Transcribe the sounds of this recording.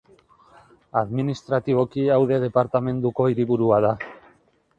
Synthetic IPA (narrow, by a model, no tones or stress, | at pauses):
aðminist̪ɾat̪iβ̞o̞kiawðe̞ð̞e̞paɾt̪ame̞nd̪uko̞iɾiβuɾuaða